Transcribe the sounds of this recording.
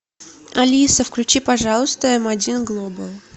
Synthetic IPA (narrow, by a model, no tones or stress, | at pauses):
ɐlʲisəfklʲʉt͡ɕipɐʐɑlˠʊst̪əɛmɐdʲinɡlˠobəlˠ